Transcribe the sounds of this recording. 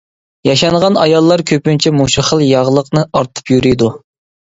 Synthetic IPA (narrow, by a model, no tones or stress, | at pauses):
jɑʃɑŋʁɑnɑjɑlˠːɑɾkʲʰøpynt͡ʃʰɛmuʃiχəlˠjɑʁlˠəqnɨʔɑɾt̪ʰɨ̥pjyɾyjd̪u